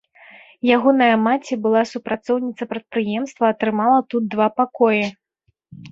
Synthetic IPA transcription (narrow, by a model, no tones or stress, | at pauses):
jaɣɔnɐjɐmat͡sʲɛbɨlˠasupɾat̪sɔwnʲit̪sɐpɾɐt̪̚pɾɨjɛmst̪vɐːt̪ɾɨmalˠɐt̪ud̪̚d̪vapakɔjɛ